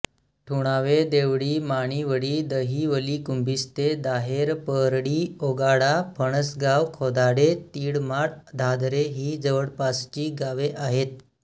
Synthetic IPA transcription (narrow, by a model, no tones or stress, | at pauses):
ʈʰuɽ̃aʋed̪eʋɽiːmaɽ̃iːʋəɽiːd̪əɦiːʋəliːkumbʱist̪ed̪aɦeɾpəɾɽiːoɡaɽapʰəɳ̃əsɡaʋkʰod̪aɽet̪iːɽmaɽd̪ʱad̪ɾeɦiːd͡zəʋəɽpast͡ɕiːɡaʋeʔaɦet̪̚